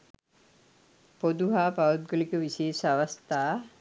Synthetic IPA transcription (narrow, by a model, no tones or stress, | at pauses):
pod̪uɦaːpaʋut̪̚ɡolikəʋiseːsaʋast̪aː